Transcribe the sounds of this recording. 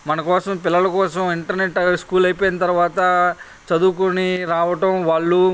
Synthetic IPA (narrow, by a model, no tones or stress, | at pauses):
mɐnɐkɔːsɐmpɪlːɐlɐkɔːsɐmiɳʈɐɾneʈːskuːlɐjipoːjinɐt̪ɐɾuʋaːt̪ɐ | t͡ʃɐd̪uːkuniɾaːʋɐʈɐmʋaːɭːu